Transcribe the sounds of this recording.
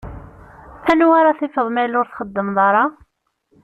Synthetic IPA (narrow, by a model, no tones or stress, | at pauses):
ænwaɾaθɪfəðˤmælʊɾθχəd̪ːəmðˤɑɾˤɑ